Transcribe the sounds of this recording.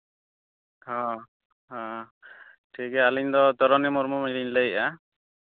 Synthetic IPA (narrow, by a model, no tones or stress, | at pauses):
hã | ɦã | ʈʰikɛaliɲd̪ɔt̪ɔɾɔnimɔɾmɔmiɾiɲlejʔa